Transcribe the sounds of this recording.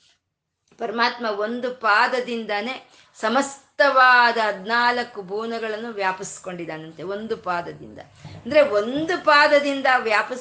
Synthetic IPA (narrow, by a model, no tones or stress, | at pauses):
pɐɾɐmaːt̪mɐo̞nd̪upaːd̪ɐd̪ind̪ɐne̞ː | sɐmɐst̪ɐʋaːd̪ɐɦɐd̪naːlɐkːubʱuːnɐɡɐɭɐnːuʋjaːpisi̥ko̞ɳɖid̪aːnɐnt̪eo̞nd̪upaːd̪ɐd̪ḭnd̪ɐ̰ | ɐnd̪ɐɾeond̪upaːd̪ɐd̪ind̪ɐʋjaːpɐ